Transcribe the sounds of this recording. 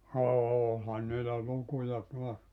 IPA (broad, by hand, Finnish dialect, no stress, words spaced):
oːlhɑn niːlæ lukujɑ tuɑs